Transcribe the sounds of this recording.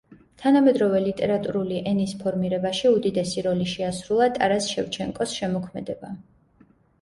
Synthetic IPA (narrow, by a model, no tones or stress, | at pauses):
t̪ʰanamɛd̪ɾɔvɛlit̪ʼɛɾat̪ʼuɾuliʔɛnispʰɔɾmiɾɛbaʃiud̪id̪ɛsiɾɔliʃɛasɾulˠat̪ʼaɾasʃɛvt͡ʃʰɛŋkʼɔsʃɛmɔkʰmɛd̪ɛba